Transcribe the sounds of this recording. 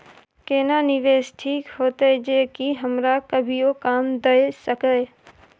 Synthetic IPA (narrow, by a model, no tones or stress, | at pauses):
keːnanɪʋeːsʈʰiːkhoːt̪ed͡ʒeːkiɦəmɾakəbʱiokaːmd̪ɐesəkə